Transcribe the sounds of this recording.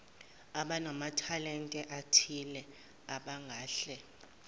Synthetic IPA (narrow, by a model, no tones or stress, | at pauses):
aɓanamatʰalɛntʼɛʔatʰilɛ | aɓaŋɡʱaːɬɛ